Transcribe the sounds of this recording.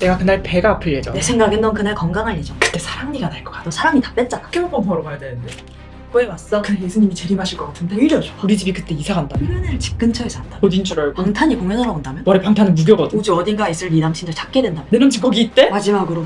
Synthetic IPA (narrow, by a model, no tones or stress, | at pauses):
ne̞ɡakɯnaɭpe̞ɡaːpʰɯɭːed͡ʑʌ̰ne̞sʰe̞ŋɡaɡendʌnkɯnaɭkʌŋɡaŋɦaɭːed͡ʑʌkɯ̥t͈e̞sʰaɾaŋɲiɡanaɭk͈ʌk͈ḁt͈osʰaɾaŋitḁp͈e̞t̚t͡ɕ͈ak͈emʌpʌnpʌɾʌɡajadwenɯnde̞ | k͈oemas͈ʌkɯnejesʰuɲimit͡ɕe̞ɾimɦaɕʰiɭk͈ʌk͈atʰɯndeiɾjʌd͡ʑouɾid͡ʑibikɯt͈e̞isʰaɡandaɯɾɯnɯɭt͡ɕi̥k̚k͈ɯnt͡ɕʰʌisʰandaodint͡ɕʰʌɾʌɭpaŋtʰaɲikoŋenʌɾaondamjʌnwʌɾepaŋtʰanɯnmuɡjʌɡʌdɯud͡ʑoʌdiɡais͈ɯɭːidamt͡ɕʰint͡ɕ͈at͡ɕak̚k͈edwendamjnɯɾɯnt͡ɕikɡʌɡiːt͈e̞mad͡ʑimaɡɯɾo